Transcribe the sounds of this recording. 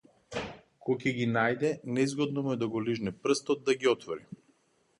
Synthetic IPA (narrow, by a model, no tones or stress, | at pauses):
kɔcɛɡinajd̪ɛnɛzɡɔd̪nɔmuɛd̪aɡɔliʒnɛpr̩st̪ɔd̪̚d̪aɡiɔt̪vɔɾi